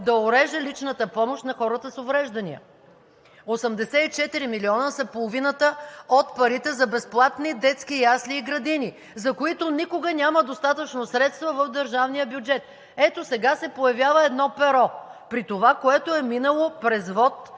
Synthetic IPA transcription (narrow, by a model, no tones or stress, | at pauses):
d̪ɐoɾɛʒəlit͡ʃnət̪əpɔmoʃt̪nɐxɔɾət̪əsovɾɛʒd̪ɐnḭə̰ | osəmd̪ɛsɛit͡ʃɛt̪iɾimiliɔnəsɐpolˠovinət̪əot̪pɐɾit̪ɛzɐbɛsplˠat̪nid̪ɛt̪skijasliːɡɾɐd̪ini | zɐkoit̪onikoɡənʲaməd̪ost̪at̪ət͡ʃnosɾɛt̪st̪vɐvəfd̪əɾʒavnijəbjud͡ʒɛt̪̚ | ɛt̪osɛɡasɛpojɐvjavəɛd̪nɔpɛɾɔpɾit̪ovakoɛt̪oɛminəlˠopɾɛzvɔt̪